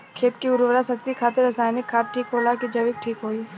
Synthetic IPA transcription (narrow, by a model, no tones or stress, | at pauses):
kʰeːt̪kiʊɾʋɾasɐkt̪ikʰaːt̪eɾɐsaːjnɪkʰːaːʈ̚ʈʰːiːkɦoːlaːkid͡ʒɐʋɪk̚ʈʰiːkɦoːiː